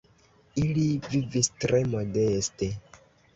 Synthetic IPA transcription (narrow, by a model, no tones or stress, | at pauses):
ilivivistɾe̞mo̞deste